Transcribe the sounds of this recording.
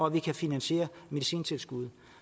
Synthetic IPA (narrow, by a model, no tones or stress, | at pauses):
ɒ̽ʋikʰæfinænɕe̝̰ːɐme̝ðisḭːnt͡sʰe̝lsɡ̥uð̞ˠ